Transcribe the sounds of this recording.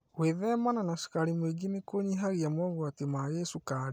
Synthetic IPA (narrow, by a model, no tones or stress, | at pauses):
weðɛmananaʃu̥kaɾimweɡinekoɲiɦaɣiamɔɣwatemaɣesukaɾi